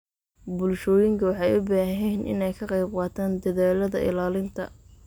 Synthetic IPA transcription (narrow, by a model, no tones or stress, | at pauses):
bʊlʃɔːjɪŋkʰɐwɑħɑjʊbaːɦɦɛnʔɪ̰nɛjkʰɐqɑjb̚qɑːt̪ʰaːnd̪ɐðaːlɐðɐ̰ʔɪ̰laːlɪnt̪ʰɐ̰